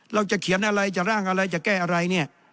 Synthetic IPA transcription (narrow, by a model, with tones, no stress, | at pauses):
ɾa˧wt͡ɕa˨˩kʰi˨˩˦ənʔa˧ɾa˧jt͡ɕa˨˩ɾaː˥˩ŋʔa˧ɾa˧jt͡ɕa˨˩kɛː˥˩ʔa˧ɾa˧jni˥˩ɐ